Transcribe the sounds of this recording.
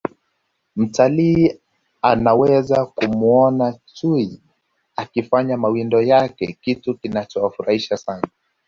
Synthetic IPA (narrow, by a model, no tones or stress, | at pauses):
m̩taliː | anawɛzakumuɔnat͡ʃui | akifaɲamawindɔjakɛ̰kitukinat͡ʃɔwafuɾahiʃasana